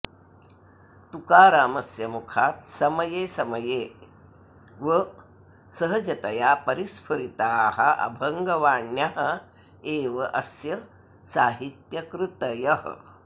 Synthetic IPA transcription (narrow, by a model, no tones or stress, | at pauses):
t̪ukaːɾaːmɐsjɐmukʰaːt̪̚sɐmɐjeːsɐmɐjeː | ʋɐ | sɐɦɐd͡ʒɐt̪ɐjaːpɐɾispʰɐɾit̪aːhɐʔɐ̰bʱɐŋɡɐʋaːɳjaɦɐ | eːʋɐʔɐsjɐ | saːɦit̪jɐkɾɨt̪ɐjɐhɐ̰